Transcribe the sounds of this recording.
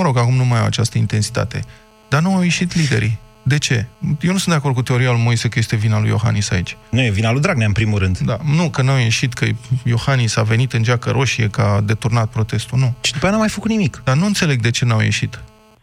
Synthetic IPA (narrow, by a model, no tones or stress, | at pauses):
əɾo̞ɡakumnumajawa̰t͡ʃast̪əint̪e̞nsi̥t̪a̰t̪e̞̰ | d̪̥anuawje̞ʃit̪lid̪e̞̰ɾḭ | d̪e̞t͡ʃe̞jewnusɨnd̪eako̞rd̪kut̪eo̞ɾialujmo̞jse̞kəje̞st̪e̞vinalṵjo̞̰xa̰nisait͡ʃʲnujevinalujd̪ɾaɡ̚naɨnpɾimulɾɨnd̪d̪anukənawje̞ʃit̪kʰəjo̞xanisave̞nit̪ɨnd͡ʒakəɾʔo̞ʃiekad̪e̞t̪urnat̪̚pɾo̞t̪e̞st̪unut͡ʃid̪upeanamajfəkut̪nimikd̪̥anuɨnt̪se̞le̞ɡ̚d̪e̞t͡ʃe̞nawjḛʃit̪